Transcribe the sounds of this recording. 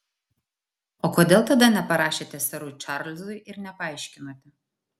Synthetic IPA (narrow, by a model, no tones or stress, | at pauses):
oːkoːd̪ʲeːlˠt̪ɐd̪ɐnʲɛpɐɾɑːʃʲeːt̪ʲɛsɐɾuːt͡ʃɑɾlʲzʊɪʔɪɾnʲɛpɐɐɪʃʲkʲɪnoːt̪ʲɛ